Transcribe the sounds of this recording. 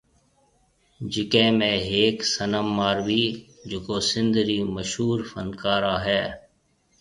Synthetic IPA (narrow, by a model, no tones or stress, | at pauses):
d͡ʒɪkẽːmẽːɦeːksənəmːaːɾʋiː | d͡ʒʊkoːsɪ̃nd̪ɾiːməʃɦuːɾfənkaːɾaːɦɛː